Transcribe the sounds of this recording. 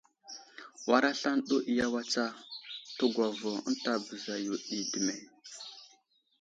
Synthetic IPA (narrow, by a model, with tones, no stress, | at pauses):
wa˦ɾa˦ɬa˦nɗu˦ʔi˨ja˦wa˦t͡sa˦tu˦ɡʷwa˨vo˨ə̰˦nta˨bə˨za˨jo˨i˨də˨me˨